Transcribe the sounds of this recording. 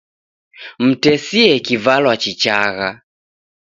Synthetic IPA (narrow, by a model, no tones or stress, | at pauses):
m̩tɛsiɛkivalwat͡ʃit͡ʃaɣa